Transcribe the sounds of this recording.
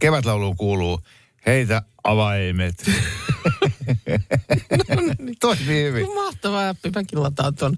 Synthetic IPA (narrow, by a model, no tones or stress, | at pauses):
keʋæt̪lɑuluːkuːluː | heit̪æ | ɑʋɑimet̪ | nt̪oisiːhyʋimmɑht̪ɑʋɑːɑpːipækilːɑt̪ɑːt̪on